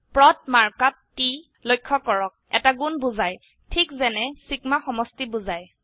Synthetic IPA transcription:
pɹɔt̚maɹkatːi | lojkʰːɔkɔɹɔk̚ɛ̰taɡunbuzaj | tʰikzɛnɛsikmaxɔmɔstibuzaj

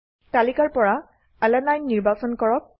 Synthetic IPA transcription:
talikaɹpɔɹa | alɛnajnːiɹbasɔnkɔɹɔk̚

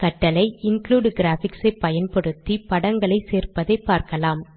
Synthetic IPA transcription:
kɐʈːɐlɐɪɪnkluːɖɡɪɾaːfɪksɐɪpːɐjɐnpɐɽɯt̪ːipɐɽɐŋɡɐɭɐɪseːrpɐðɐɪpːaːɾkɐlaːm

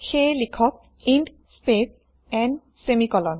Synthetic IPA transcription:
xelikʰɔk̚ | iɳɖ | spes | ɛ̃n | semikɔlɔn

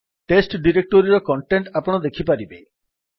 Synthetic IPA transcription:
ʈesʈɖiɾek̚ʈoɾiɾɔkɔɳʈeɳʈapɔɽ̃ɔd̪ekʰipaɾibe

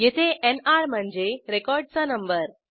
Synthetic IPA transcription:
jet̪ʰeʔenaɾm̤əɳd͡zeɾekɔɾɖ̚t͡sanəmbəɾ

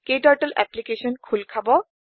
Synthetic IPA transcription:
kejʈɔɹʈəlʔɛ̰plikeʃɔnkʰulkʰabɔ

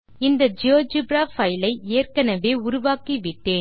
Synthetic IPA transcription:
ɪnd̪ɐd͡ʒɪjoːd͡ʒɯbɾaːfɐjlɐɪeːrkɐnɐʋeːʊɾʊʋaːkiʋɪʈːeːn

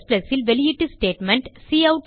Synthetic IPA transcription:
splɐsilʋeliiʈːisʈeːʈmɛ̃ɳʈsiːɐʊʈ

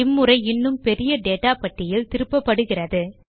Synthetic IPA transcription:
ɪmːɯrɐɪɪnːɯmpɛɾɪjɐɖeːʈːaːpɐʈːɪjɪlt̪ɪɾɯpːɐpːɐɽɯɣɪrɐðɯ

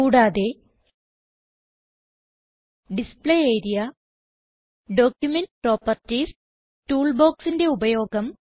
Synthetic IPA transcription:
kuːɽaːðe | ɖispɭeeːɾijɐ | ɖo̞ːkjumenɖpro̞ːpːɐrtis | tuːɭbo̞ːksinde̞ubɐjo̞ːɡɐm

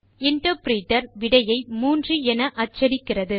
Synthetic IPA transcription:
ɪɳʈɐpɾiːʈːɐɾʋɪɽɐjɐɪmuːndriɛnɐʔɐt͡ʃːɐɾɪkːɪrɐðɯ

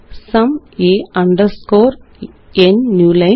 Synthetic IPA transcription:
sɐmeːɐɳɖɐɾskoːɾ | enːjuːlɐ

